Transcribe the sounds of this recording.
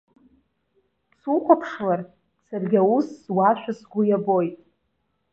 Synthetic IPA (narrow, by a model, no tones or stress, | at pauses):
sukʷapʰʂlar | sarɡʲawuswaʃᶣasɡʷʊjabo̞jtʼ